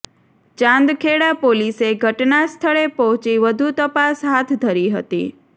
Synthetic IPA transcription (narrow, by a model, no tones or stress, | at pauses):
t͡ʃãnd̪kʰeɽapoliseɡʱəʈnast̪ʰəɭepɔɦt͡ʃiʋəd̪ʱut̪əpasɦat̪ʰd̪ʱəɾiɦə̰t̪ḭ